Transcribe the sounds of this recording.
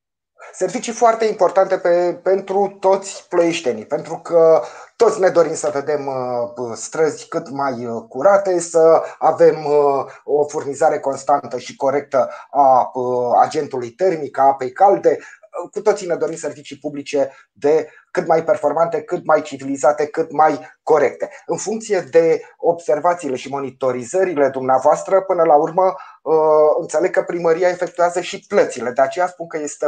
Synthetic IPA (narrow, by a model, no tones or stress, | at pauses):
se̞rvit͡ʃifoart̪e̞impo̞rt̪ant̪e̞pepe̞nt̪ɾut̪o̞t̪sʲploeʃt̪e̞nipe̞nt̪ɾukət̪o̞t̪sʲne̞d̪o̞ɾimsəve̞d̪e̞m | st̪ɾəzʲkɨt̪majkuɾat̪e̞səave̞m | o̞furnizaɾe̞ko̞nst̪ant̪əʃiko̞ɾe̞k̚t̪əa | a̰d͡ʒe̞nt̪ulujt̪e̞rmikəapejkald̪e̞kut̪ot̪sine̞d̪o̞ɾimse̞rvit͡ʃipublit͡ʃe̞ | d̪e̞ | kɨt̪majpe̞rfo̞rmant̪e̞kɨt̪̚majt͡ʃivilizat̪e̞kɨt̪majko̞ɾe̞k̚t̪e̞ɨnfuŋk̚t̪sije̞d̪e̞o̞bse̞rvat̪siːle̞ʃimo̞nit̪o̞ɾizəɾile̞d̪umneavoast̪ɾəpɨnəlaurmə | ɨnt̪se̞le̞ɡ̚kəpɾiməɾiae̞fe̞k̚t̪ujazəʃiplət̪sile̞d̪e̞at͡ʃe̞jaspunkəje̞st̪e